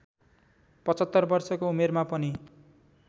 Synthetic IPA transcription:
pʌt͡sʌt̪ːʌrbʌrsʌkoumermapʌni

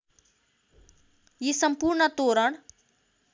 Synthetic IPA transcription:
jisəmpuːɾɳət̪oːɾəɳ

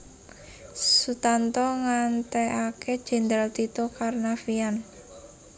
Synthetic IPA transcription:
sut̪ant̪ɔŋant̪ɛʔakʰed̥ʒ̥ɛ̤nd̪ɾalt̪it̪okarnafian

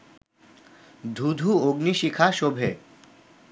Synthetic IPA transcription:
d̪ʱud̪ʱuoɡniʃikʰaʃobʱe

